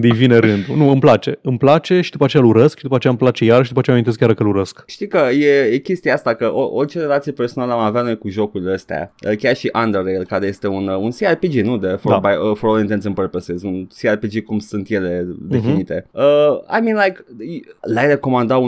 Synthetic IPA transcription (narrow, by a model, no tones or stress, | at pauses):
d̪ɨjvineɾɨnd̪unuɨmplat͡ʃe̞ɨmplat͡ʃe̞ʃid̪upat͡ʃejaluɾəskʃid̪upat͡ʃeaɨmplat͡ʃejaɾəʃid̪upat͡ʃeamint̪eskjʲaɾkəluɾəskʃt̪ikəjejekʲe̞st̪iaast̪akəʔoʔo̞rʲt͡ʃe̞ɾe̞lat̪sijeperso̞naləamavjat̪nojkuʒo̞kuɾʲiləst̪ea̰əkʲarʃiʔand̪eɾelkaɾeje̞st̪e̞ununsiarpid͡ʒinud̪əfoabajəfoɾbaint̪ent̪sɨmpəɾpəsezunsiarpid͡ʒikumsunt̪je̞le̞d̪e̞finnit̪e̞əa̰jmĩnlajklajɾe̞ko̞mand̪au